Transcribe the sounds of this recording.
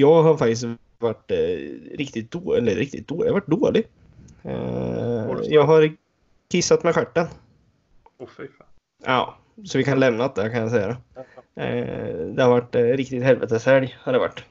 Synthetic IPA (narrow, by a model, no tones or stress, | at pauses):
jɑːɡɦaɾfak̚t̪ɪst | vaʈː | ɾɪkt̪ɪt̪̚d̪oːɛlːəɾɾɪk̚t̪ɪ̰t̪̚d̪oːahavaʈ̚ːd̪oːlɪɡ̰ | jɑːɡɦaɾ | kʰɪsːat̪mɛɧæʈːən | ʔɑ̰ː | sɔvɪkanlɛmnat̪̚d̪ɛkʰanjas̬ɛjːad̪ɛ̰ | d̪ɛhaɾvaʈːɾɪkt̪ɪt̪hɛlvɛ̰t̪əsæɾjhaɖɛva̰ʈː